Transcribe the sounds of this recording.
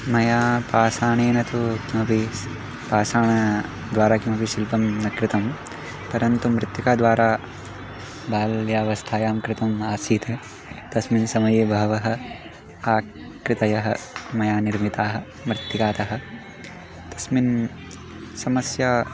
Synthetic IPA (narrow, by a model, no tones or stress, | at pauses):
mɐjaːpaːsaːɳeːnɐt̪ukimɐpi | paːsaːɳɐ | d̪ʋaːɾaːkimɐpiʃilpɐmnɐkɾɪt̪ɐm | pɐɾɐnt̪umɾɪt̪jukaːd̪ʋaːɾaː | bʱaːljaːʋɐst̪ʰaːjaːmkɾɪt̪ɐmaːsiːt̪ʰɐ | t̪ɐsminsɐmɐjeːbʱɐɦɐʋɐɦɐ̆ | aː | kɾɪt̪ɐjɐɦɐ̆mɐjaːniɾmit̪aːɦɐ̆ | mɾɪt̪jikaːt̪ɐɦɐ̆ | t̪ɐsmin | sɐmɐsja